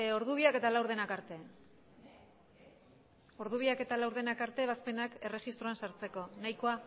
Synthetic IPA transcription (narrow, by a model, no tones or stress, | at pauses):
o̞ɾðuβiake̞t̪alawɾð̞e̞nakaɾt̪e̞ | o̞ɾðuβ̞iake̞t̪alawɾðe̞nakaɾt̪e̞β̞aspe̞nake̞re̞ʝist̪ɾo̞ansaɾt͡se̞ko̞najko̞a